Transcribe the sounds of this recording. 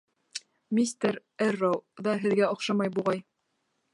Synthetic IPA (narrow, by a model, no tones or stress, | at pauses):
mʲist̪eɾ | ærːowðɑɦɘ̆ðɡæŏχʃɑmɑjbuʁɑj